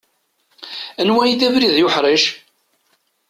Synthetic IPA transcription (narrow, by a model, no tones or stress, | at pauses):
ænwæjiθævɾiðjʊħɾəʃ